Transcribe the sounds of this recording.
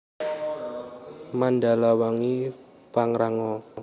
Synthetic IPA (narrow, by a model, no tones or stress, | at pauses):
manda̤lawaŋi | paŋɾaŋɔ